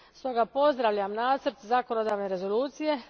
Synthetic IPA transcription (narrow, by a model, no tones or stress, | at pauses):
st̪o̞ɡapo̞zd̪ɾaʋʎamnaːt̪sɾt̪zakonod̪aːʋne̞ɾe̞zo̞luːt̪sije̞